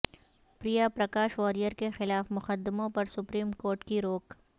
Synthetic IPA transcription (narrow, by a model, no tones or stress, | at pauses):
pɾijapɾɐkaːʃʋɔːɾijəɾkexɪlaːfmʊqəd̪mõpɐɾsʊpɾiːmkoːɾʈkiɾoːk